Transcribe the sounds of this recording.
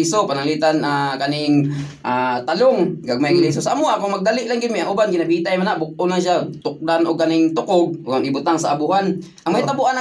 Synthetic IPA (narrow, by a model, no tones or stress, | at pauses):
sopanaŋlit̪anakanɪŋ | ʔat̪alʊŋkaɡ̚maɡlis̬osaʔamʊʔakʊŋmɐɡ̚d̪alɪʔlaŋɡɪd̪̚mɪʔaŋʔʊbanɡɪnabiːt̪ajmanaʔbʊk̚ʔʊnlaŋʃ̬at̪ʊk̚d̪anʔʊɡ̚kanɪŋt̪ʊkʊɡ̚ʊɡaŋɪbʊt̪aŋsaʔabʊɦan | ʔaŋmajt̪abuʔana